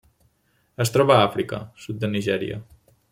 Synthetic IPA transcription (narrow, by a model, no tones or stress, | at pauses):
əst̪ɾɔβəafɾikə̰sut̪̚d̪əniʒɛɾiə̰